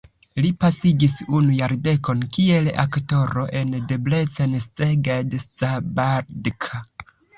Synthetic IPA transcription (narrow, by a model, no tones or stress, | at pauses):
lipasiɡisunujaɾde̞ko̞nkie̞la̰kto̞ɾo̞ʔe̞ndeble̞t͡sanst͡seɡadestabaɾdkʰa